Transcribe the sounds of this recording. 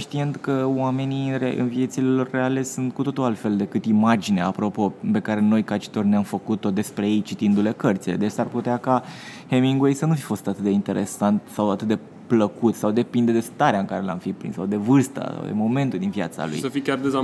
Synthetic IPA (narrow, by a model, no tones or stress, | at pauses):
ʃt̪ient̪kəwame̞nireɨ̰nvije̞t̪silelo̞rːeale̞sunt̪kut̪o̞t̪ualt̪fe̞ld̪e̞kɨt̪imad͡ʒineapɾo̞po̞pe̞kaɾe̞no̞jkat͡ʃi̥t̪o̞rʲneamfəkut̪o̞d̪e̞spɾeje̞jt͡ʃit̪ind̪ule̞kərt̪sile̞d̪et͡ʃsarput̪eakahemiŋɡwe̞jsənufi̥fo̞st̪at̪ɨt̪̚d̪e̞int̪e̞ɾʔe̞̰sant̪sawat̪ɨt̪̚d̪e | pləkut̪sawd̪e̞pind̪ed̪e̞st̪aɾeaɨŋkaɾe̞la̰mfipɾḭnsawd̪e̞vɨrst̪a̰sa̰w̰d̪e̞̰mo̞me̞nt̪ud̪invia̰t̪sa̰lṵjsəfikʲard̪eza